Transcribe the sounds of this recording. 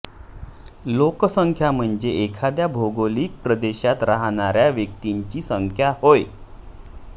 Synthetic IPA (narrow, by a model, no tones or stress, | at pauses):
lokəsəŋkʰjam̤əɳd͡zeekʰad̪jabʱoɡoliːk̚pɾəd̪eɕat̪ɾaɦɽ̃aɾjaʋjək̚t̪iɲt͡ɕiːsəŋkʰjahoj